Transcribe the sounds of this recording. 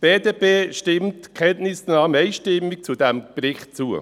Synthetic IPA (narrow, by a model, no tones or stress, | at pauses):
b̥eːdeːpeːʃtɪmtkʰɛntnɪsnɑːməɛɪʃtɪmːik̚t͡sudɛmbɾɪχtt͡suə̰